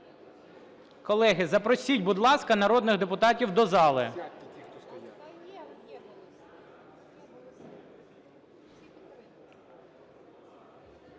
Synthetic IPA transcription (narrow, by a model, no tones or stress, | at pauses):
kɔlˠɛɦɪzɐpɾɔsʲidʲbʊd̪lˠɑskɐnɐɾɔd̪nɪɣd̪epʊt̪ɑtʲiwd̪ɔzɑlˠɪ̰